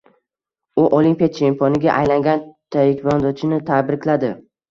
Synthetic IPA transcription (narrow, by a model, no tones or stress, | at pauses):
ʊʔolimpijat͡ʃʰempʰɒnɪɡʲaʔajlaŋɡʲant̪ʰajɪkʲʰɪbɒnd̪ɒt͡ʃʰɪnɪt̪ʰabɾɪkʲlad̪ɪ